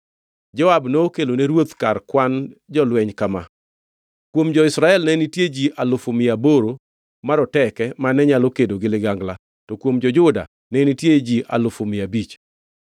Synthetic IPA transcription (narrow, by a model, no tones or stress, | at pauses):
d͡ʒɔabnoːkeloneɾwot̪karkwand͡ʒɔlwɛɲkama̰ | kwomd͡ʒɔɪsɾaɛlnɛnɪtjed͡ʒiʔalʊfomɪaboɾo | maɾɔtɛkɛmanɛɲalokedoɡɪlɪɡaŋɡla | tɔkwomd͡ʒɔd͡ʒʊda̰ | nɛnɪtjed͡ʒiʔa̰lʊfomɪabit͡ʃ